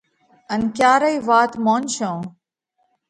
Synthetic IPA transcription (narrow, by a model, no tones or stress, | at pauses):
ənkjaːɾəiːʋaːt̪moːnʃõː